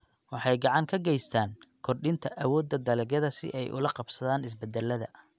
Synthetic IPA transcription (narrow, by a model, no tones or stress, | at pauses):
wɑħɑjɡɑʕɑŋkʰɐɡɛjst̪ʰaːŋkʰɔrɗɪnt̪ʰɐʔɐwɔːd̪ːɐd̪ɐlɛɣɐðɐsɪ̰ʔɛjʔʊ̰lɐqɑbsɐðaːnɪsbɛd̪ɛlːɐðɐ̰